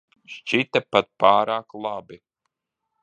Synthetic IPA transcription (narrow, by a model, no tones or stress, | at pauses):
ʃt͡ʃit̪ɛpat̪̚paːɾaːklˠabi